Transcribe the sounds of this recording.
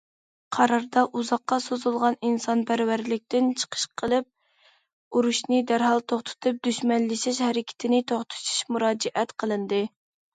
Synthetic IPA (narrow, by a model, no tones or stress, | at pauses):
qʰɑɾɑɾd̪ɑʔuzɑqːɑsozulˠʁɑninsɑnpʰæɾwæɾlɪk̚ʲt̪ʰɪnt͡ʃʰə̥qʰə̥ʃqʰəlˠɨp̚ | uɾuʃnɨd̪æɾɦɑlˠt̪ʰoχt̪ʰʊ̥t̪ʰɨp̚d̪yʃmɛnlɪʃɪʃhɛɾɪkʲʰɪ̥t̪ʰɪnɪt̪ʰoχt̪ʰu̥ʃu̥ʃmuɾɑːd͡ʒɛʔɛt̪qʰəlˠɨnd̪ɨ